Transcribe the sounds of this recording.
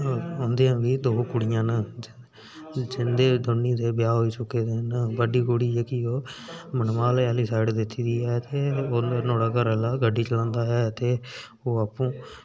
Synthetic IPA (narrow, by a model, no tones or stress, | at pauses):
õːnd̪eːɛ̃ːʋiːd̪oːkʊɽɪjãːnəd͡ʒ | d͡ʒɪnd̪eːd̪ʱʊɳːiːd̪eːbjaːɦoːiːsʊkːeːd̪eːnəbəɖiːkʊɽiːɛːkɪoːmənmaːleaːliːsaːɪɖd̪ɪt̪ʰːiːd̪iːɛːt̪eːoːnoːɽaːkəɾɛːlaːɡəɖːiːt͡ʃəlãːnd̪aːɦɛːt̪eː | oːaːpːõː